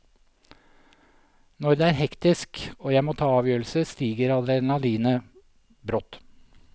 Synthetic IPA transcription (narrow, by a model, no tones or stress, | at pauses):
nɔɾd̪eæːɾhɛkt̪ɪskoːjæɪmoːt̪ʰɑːɑːʋjøːɾl̩səst̪iːɡəɾɑd̪ɾɛnɑliːnə | bɾɔt̪